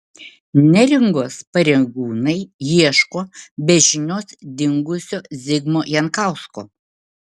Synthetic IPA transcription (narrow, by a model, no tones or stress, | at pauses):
nʲɛɾʲɪŋɡoːspɐɾʲɛɡuːnɐɪjiɛʃkoːbʲɛʒʲɪnʲoːsd̪ʲɪŋɡʊsʲoːzʲɪɡmoːjɛnkɑˑʊsko̰ː